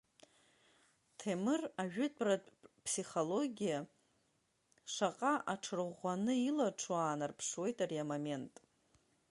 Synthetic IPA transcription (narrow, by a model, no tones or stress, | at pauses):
tʰemɨraʒᶣʏdʰʼratʼpʰsiχolo̞ɡʲija | ʂaqʼaʔaʈ͡ʂʰɨrʁʷanɨilaʈ͡ʂʰaːnarpʰʂwe̞jtʼaɾiamame̞ntʼ